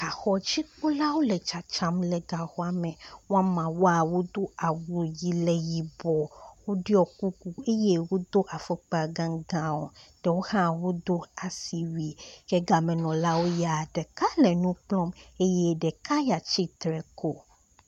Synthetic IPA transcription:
ka˨xɔ˦d͡ʑi˦k͡po˦la˦wo˦lɛ˨t͡ʃa˨t͡ʃa˦mlɛ˨ɡa˨xɔ˦a˨mẽ˨wo˦a˦mã˨wo˦a˨wo˦d̪o˦a˨wu˨ji˨lɛ˨ji˨bɔ˨wo˦ɖi˦ɔ˨ku˦ku˦e˦je˦wo˦d̪o˦ʔa˨fe˦k͡pa˨ɡã˨˦ŋɡã˨wɔ˨ɖ̥ɛ˨wo˦hã˦wo˦d̪o˦a˨si˨wi˨ke˦ɡa˨mɛ̃˨nɔ̃˨la˦wo˦ja˨ɖɛ˨ka˦lɛ˨nũ˦k͡plɔ̃˦me˦je˦ɖɛ˨ka˦ja˨t͡ʃi˦t̪ɾɛ˨ko˦

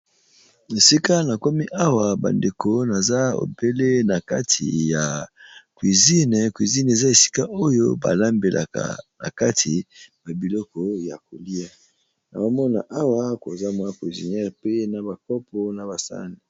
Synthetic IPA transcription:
e˨si˦ka˦na˨ko˦mi˦ʔa˦wa˨ba̰˨nde˨ko˦na˨za˦o̰˨be˦le˦na˨ka˦tʰḭ˨ja˨kwi˨zi˦n˨kwi˨zi˦n˨e˨za˦e˨si̥˦ka˦ʔo˦jo̰˦ba̰˨la˦mbe˨lʔa̰˨ka̰˨na̰˨ka˦tʰi˨ba˨bi˨lɔ˦kɔ˦ja˨k̚o˨li˦a˦ | na̰˨ba˦mɔ˦na̰˨ʔa˦wa˦ko˨za˦mwa˦kwi˨zi˨nɛ˦ʁpe˦na˨ba˨kɔ˦pɔ˦na˨ba˨sa̰˦ni˨

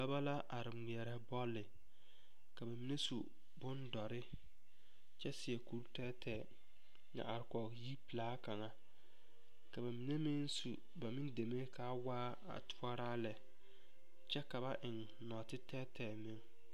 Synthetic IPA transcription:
ba˦ba˦la˦ʔa˨ɾɪ˨mi˨ɛ˨ɾɛ˨˦bɔ˦lːɪ˨ | ka˨ba˨mi˦ne˦su˨ | bʊ˦ndɔ˨ɾɪ˦ | t͡ʃɛ˦sɪ˨ɛ˨ku˨˦ɾtɛː˦tʰɛː˨ | ŋa̰˨a˨ɾɪ˨kɔ˨ji˦pi˨laː˦ka˨ŋa˨ | ka˨ba˨mi˦ne˦mɪ˦nsṵ˨ | ba˨mɪ˦nde˨me˦ka˦waː˦ | a̰˨tʰʊ˦ɔ˦ɾaː˦lɛ˨ | t͡ʃɛ˦ka˨ba˦ʔɪ˨ŋ | nɔ˨tɪ˦tɛː˦tʰɛː˨mɪ˨˦ŋ

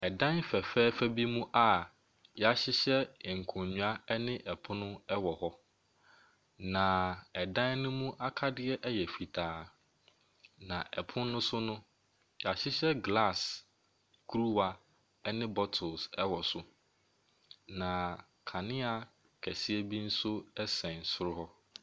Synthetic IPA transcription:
ɛ˨dã˦nfɛ˨fɛː˦fɛ˦bi˦mũ˦ʔa˦ | jɛ˨a˨ɕɪ˦ɕɛ˦ɪ˨ŋ̩˨kʰʊ̃˨ɲũ˨a˦ɛ˦nɪ̃˦ʔɛ˨pʰʊ̃˦nʊ̃˦ɛ˦wɔ˨hɔ˦ | nã˨ɛ˨dã˦nnʊ̃˦mũ˦ʔa˦kʰa˦dɪ˦ɛ˦ʔɛ˦jɛ˨fi˨tʰaː˨˦ | nã˨ʔɛ˨pʰʊ̃˦nː˦ʊ̃˦sʊ˦nʊ̃˦ | ja˨ɕɪ˦ɕɛ˦ɡla˦˨s | kʰu˦ɾu˦wa˨ | ɛ˦nɪ̃˦bɔ˦tʰʊ˨sɛ˦wɔ˨sʊ˨ | nã˨ | kʰa˨nɪ̃˦a˨ | kʰɛ˨si˦ɛ˦bi˦n̩˦sʊ˦ɛ˦sɛ̃˨n̩˨sʊ˦ɾʊ˦hɔ˦

